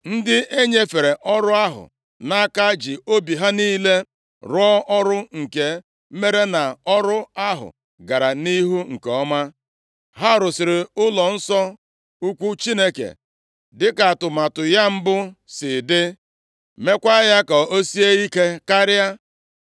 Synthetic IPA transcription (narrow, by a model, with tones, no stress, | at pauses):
n̩˦dɪ˦e˦ɲe˦fe˨ɾe˨ʔɔ˦ɾʊ˦a˦ɦʊ̰˨ | na˦a˦ka˦d͡ʒi˨o˦bi˨ɦa˦niː˦le˦ | ɾʊ˦ɔ˦ɔ˦ɾʊ˦ŋ̩˨ke˨˦ | me˦ɾe˦na˨ɔ˦ɾʊ˦a˦ɦʊ̰˨ | ɡa˨ɾa˨ni˦ɦu˦ŋ̩˨keɔ˦ma˦ | ɦa˦ɾʊ˨sɪ˨ɾɪ˨ʊ˦lɔ˨n̩˦sɔ˦ | u˦kʷu˦t͡ʃi˦ne˦kḛ˨ | dɪ˦ka˨tʊ˨ma˨tʊ˨ja˦m̩˦bʊ˦sɪ˨dɪ˦ | me˦kʷa˦ja˦ka˨o˦si˦e˦i˦ke˦ka˦ɾja˦